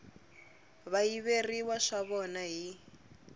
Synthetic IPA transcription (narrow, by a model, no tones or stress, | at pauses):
βaiβeriwaʂaβɔnaɦi